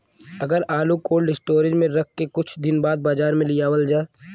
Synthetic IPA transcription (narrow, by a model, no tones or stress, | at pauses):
ɐɡəɾaːlukoːlɖɪsʈoːɾɪd͡ʒmẽɾɐk̚ʰkːekʊt͡ʃʰd̪ɪnbaːd̪̚baːd͡ʒaːɾmẽlɪjaːwəld͡ʒaːe